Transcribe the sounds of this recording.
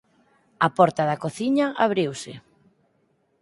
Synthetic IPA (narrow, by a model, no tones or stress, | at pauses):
apɔɾt̪aðakoθiɲaʔaβ̞ɾiwsɪ